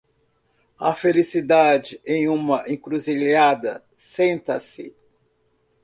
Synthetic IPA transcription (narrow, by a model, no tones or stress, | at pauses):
ɐfelisid̪ad͡ʒɪẽj̃ũmɐʔẽŋkɾuziʎad̪ɐ | sẽnt̪ɐsɪ̰